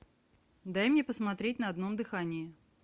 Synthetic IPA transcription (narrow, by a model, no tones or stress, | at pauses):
d̪ajmnʲepəsmɐt̪ɾʲetʲnəɐd̪no̞md̪ɨxanʲɪɪ